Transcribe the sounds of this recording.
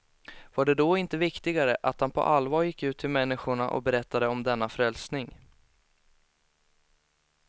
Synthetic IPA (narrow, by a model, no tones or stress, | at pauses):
vaɖɛd̪ɔɪnt̪əvɪkt̪ɪɡaɾəʔat̪hanpʰɔ̰ʔalːvɑːɾjɪkːʉ̟ːt̪ʰːɪlmɛnːɪɧʊɳa̰ʔɔ̰bɛɾɛt̪ːad̪əɔmd̪ɛnːafɾɛlsnɪŋ